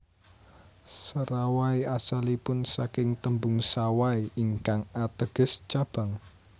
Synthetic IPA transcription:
səɾawaiasalipʊnsakɪŋt̪əmbʊŋsawaiʔiŋkaŋat̪əɡ̥ə̤st͡ʃab̥a̤ŋ

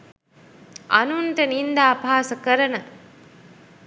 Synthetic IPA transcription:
ɐ̰nunʈɐnind̪aːpaːsɐkəɾɐnə

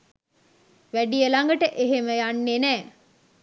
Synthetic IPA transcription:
ʋæɖijəlaŋɡəʈəʔeɦeməjanːenɛː

